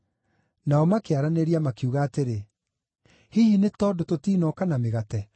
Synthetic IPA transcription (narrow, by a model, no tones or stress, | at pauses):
naɔmakeaɾaneɾiamakeuɣaːteɾe | hihinetɔːdototiːnɔkanameɣatɛ